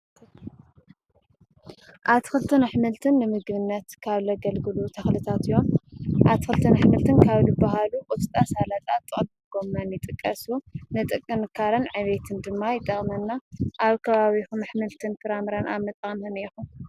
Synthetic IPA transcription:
ʔaβt̪ʰɨ̥xɨlt̪ʰɨnaħmɨlt̪ʰɨnːɨmɨɡβɨnːɐt̪kʰaβlɐɡɐlɡɨlut̪ʰɐxlɨt̪ʰat̪ɨjːomʔaβt̪ʰɨ̥xɨlt̪ʰɨnaħmɨlt̪ʰɨnkʰaβlɨbaɦalukʼut̪ʼɨt̪ʼasalat̪ʼat̪ʼːɨχʼd̪ɨɡo̞mːanjɪt̪ʼɨkʼːɐsunɨt̪ʼɨkʼːɨnɨkʰaɾɐnʕɨβet̪ʰɨnd̪ɨmːajɪt̪ʼːɐχʼmɐnːaʔaβkʰɐβaβixumɐħmɨlt̪ʰɨnfɨɾamɾanaβmɨt̪ʼaxnhɨnexu

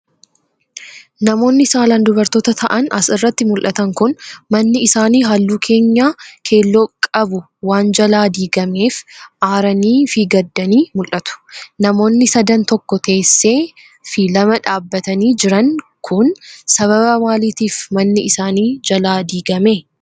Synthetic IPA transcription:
nɐmo̞ːnːɪsaːlɐnd̪ʊbɐɾt̪oːt̪ɐt̪ʰɐʔɐnɐsɪrːɐt̪ːɪmʊlʔɐt̪ɐŋkʊnmɐnːɪɪsaːniːɦaːlːuːkʰe̞ːɲːaːkʰe̞ːlːokʼɐbʊ | waːnd͡ʒɐlaːd̪iːɡɐme̞ːfʔaːɾɐniːfiɡɐd̪ːɐniːmʊlʔɐt̪ʊ̥nɐmo̞ːnːɪsɐd̪ɐnt̪ɔkːɔt̪e̞ːsːe̞ː | filɐmɐᶑaːbːɐt̪ɐniːd͡ʒɪɾɐŋ | kʰʊnsɐβɐbɐwaːliːt̪iːfmɐnːɪɪsaːniːd͡ʒɐlaːd̪iːɡɐme

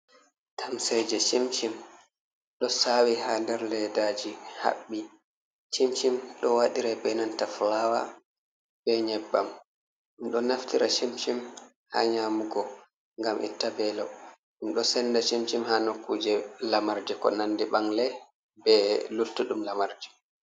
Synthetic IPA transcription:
tʰamsɛjd͡ʒɛt͡ʃimt͡ʃim | ɗɔsawihandɛɾlɛdad͡ʒiha̰ɓːi | t͡ʃimt͡ʃimɗɔwaɗiɾɛbɛnantaflawa̰ | bɛɲɛbːam | ɗumɗɔnaftiɾʔat͡ʃimt͡ʃim | ha̰ɲaːmuɡɔ | ŋɡamʔḭtːabɛlɔ | ɗumɗɔsɛnːdat͡ʃimt͡ʃimhanokːud͡ʒɛlamaɾd͡ʒɛkɔ̰nandiɓaŋlɛ | bɛlultːuɗumlamaɾd͡ʒɛ̥

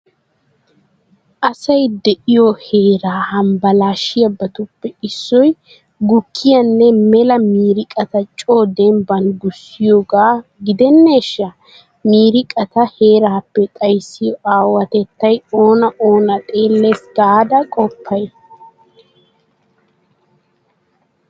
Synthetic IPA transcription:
ʔɐsɐjd̪ɛʔɪjɔheːɾaːhɐmbɐlaːʃɪjɐbːɐt̪ʊpːɛɪsːɔj | ɡʊkːɪjɐnːɛmɛlɐmiːɾɪkʼɐt̪ɐt͡ʃʼoːd̪ɛmbɐnɡʊsːɪjoːɡaːɡɪd̪ɛnːe̞ːʃːɐ | miːɾɪkʼɐt̪ɐhe̞ːɾaːpːɛt̪ʼɐjsːɪjɔʔaːwɐt̪ɛt̪ːɐjo̞ːnɐʔo̞ːnɐt̪ʼe̞ːlːesɡaːd̪ɐkʼɔpʰːɐj

